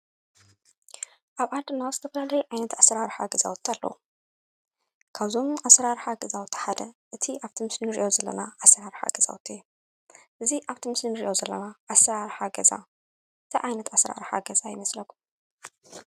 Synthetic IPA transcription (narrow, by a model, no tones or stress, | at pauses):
ʔaβʕad̪ɨnazɨt̪ʰɐfɐlalɐjʕajnɐt̪ʰasɾaɾħaɡɐza̰wt̪ʰːalːɐ̰wu | kʰaβzo̞masɾaɾħaɡɐzawt̪ʰːħad̪ɐʔɨt̪ʰiʔaβt̪ʰimɨslɨnɨɾiʔo̞zɐlːɐ̰naasɐɾaɾħa̰ɡɐz̥a̰w̰t̪ʰeu | ʔɨziʔaβt̪ʰimɨslɨnɨɾiʔo̞zɐlːɐ̰naʔasɾaɾħaɡɐza̰ | ʔɨt̪ʰiʕajnɐt̪asɾa̰ɾħa̰ɡɐzajɪ̰mɐslɐku̥